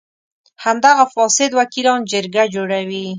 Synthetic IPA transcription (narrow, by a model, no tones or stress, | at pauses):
hamd̪aɣafɑsɪd̪wakilɑnd͡ʒəɾɡad͡ʒoɽawi